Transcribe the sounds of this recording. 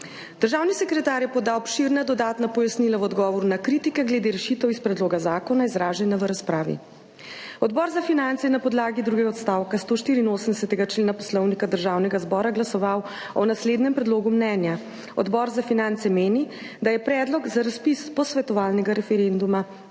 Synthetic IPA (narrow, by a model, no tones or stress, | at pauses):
d̪̥əɾʒawnisɛkɾɛt̪aːɾjɛpɔd̪aːwɔpʃiɾnad̪ɔd̪aːt̪napɔjasnilawɔd̪ɡɔːʋɔɾunakɾit̪ikɛɡlɛd̪eɾɛʃit̪ɛwispɾɛd̪loːɡazaːkɔnaizɾaːʒɛnaʋəɾaspɾaːʋḭ | ɔd̪bɔːɾzafinant̪sɛjnapɔd̪laːɡid̪ɾuːɡɛɡaɔt̪st̪aːwkast̪oːʃt̪iːɾiːnoːsəmd̪ɛsɛt̪ɛɡat͡ʃleːnapɔslɔwnikad̪əɾʒawnɛɡazbɔːɾaɡlasɔʋaw | ɔnasleːd̪nɛmpɾɛd̪loːɡumnɛːnja | ɔ̰d̪bɔːɾzafinant̪sɛmeːni | d̪ajɛpɾɛd̪lɔɡzaɾaspispɔsʋɛt̪ɔʋaːlnɛɡaɾɛfɛɾend̪uma